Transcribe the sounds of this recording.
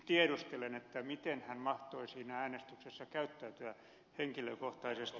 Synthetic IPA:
t̪ieɾust̪elenet̪ːæmit̪enhænmɑht̪oisiːnææːnest̪yksesːɑkæyt̪ːæyt̪yæ | heŋkiløkoht̪ɑisest̪

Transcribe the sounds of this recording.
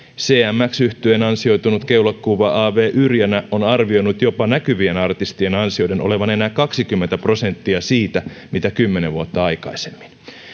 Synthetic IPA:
seːæmːæksyht̪yenɑnsio̞jt̪unut̪kewlɑkːuʋɑʔɑːʋe̞ːʔyrjænæʔo̞nɑrʋio̞nut̪jo̞pɑnækyʋienɑrt̪ist̪ienɑnsiojde̞nʔo̞le̞ʋɑnenæːkɑksikymːet̪æpro̞se̞nt̪ːiɑsiːt̪æ | mit̪ækymːene̞ʋuot̪ːɑɑjkɑisemːi̥n

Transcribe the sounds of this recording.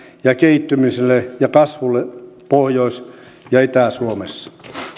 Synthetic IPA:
jɑkeit̪ːymyselːejɑkɑsʋulːepohjois | jɑit̪æˑsuomesː

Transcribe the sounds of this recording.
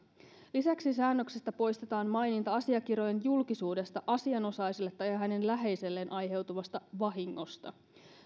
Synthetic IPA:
lisæksisæːnːø̞ksest̪æpo̞jst̪e̞t̪ɑːnmɑjnint̪ɑɑsiɑk̟iro̞jenjulkisuːde̞st̪ɑʔɑsiɑno̞sɑjsilːet̪ːɑjɑɦæne̞nlæɦe̞jse̞lːe̞nʔɑjɦe̞wt̪uʋɑst̪ɑʋɑɦiŋːo̞st̪ɑ̰

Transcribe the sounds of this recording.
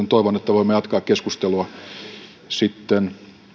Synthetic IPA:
nt̪oiʋonet̪ːæʋoimːejɑt̪kɑːkkeskust̪eluɑ | sit̪ːen

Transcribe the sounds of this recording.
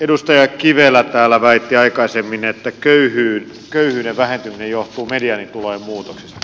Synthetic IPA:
edust̪ɑjɑkiʋelːˑæt̪æːlːæʋæit̪ːiɑikɑisemːinet̪ːækøyhyːn | køyhyːneʋʋæhent̪yminejoht̪uːmediɑnːint̪ulojemmuːt̪oksisɑ

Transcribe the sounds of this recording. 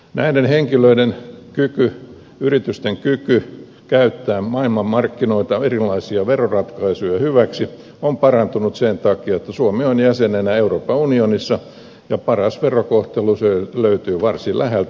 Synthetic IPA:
næ̰idenheŋkiløidenkyky | yrit̪yst̪eŋkyky | kæyt̪ːæːmɑilmɑmmɑrkːinoit̪ɑerilːˑɑisiɑʋerorɑt̪kɑisujɑhyʋæksi | ompɑrɑnt̪unut̪sent̪ɑkiɑet̪ːɑsuomionjæsenenæeuroːpːɑunionisːɑ | jɑpɑrɑsʋerokoht̪eluseløyt̪yːʋɑrsilʔæhelt̪

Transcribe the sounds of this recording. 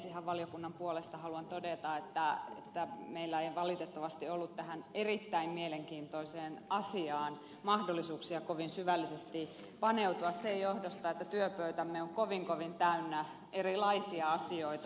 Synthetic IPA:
sihæʋʋɑlijokunːɑmpuolest̪ɑhɑluɑnt̪odet̪ɑet̪ːæḛt̪ːæmeilːæeiʋɑlit̪et̪ːɑʋɑst̪iolːut̪t̪æhænerit̪ːæimmieleŋkiːnt̪oiseːnɑsiɑːn | mɑhdolːˑisuːksiɑkoʋinsyʋælːisest̪i | pɑneut̪uɑssejjohdost̪ɑet̪ːæt̪yøpøyt̪æmːeoŋkoʋiŋkoʋint̪æynːæ | ʔerilɑisiɑɑsioit̪ɑ

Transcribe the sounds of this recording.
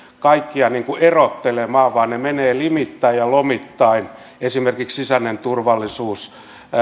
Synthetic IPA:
kɑikːiɑniːŋkuerot̪ːelemɑːʋʋɑːnnemeneːlimit̪ːɑijjɑlomit̪ːɑin | esimerkikssisænːent̪urʋɑlːisuːs

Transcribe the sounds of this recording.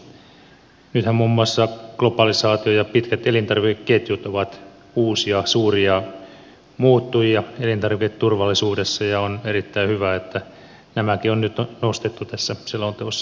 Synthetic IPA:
nyt̪hæmmumːuɑsːɑɡ̥lopɑlisɑːt̪iojɑpit̪kæt̪elint̪ɑrʋikekːet̪jut̪oʋɑt̪ | uːsiɑsuːriɑ | muːt̪ːujiɑelint̪ɑrʋiket̪t̪urʋɑlːisuːdesːɑjɑonerit̪ːæihyʋæet̪ːæ | næmækionnyt̪onost̪et̪ːut̪æsːæsilːont̪oosːɑ̥

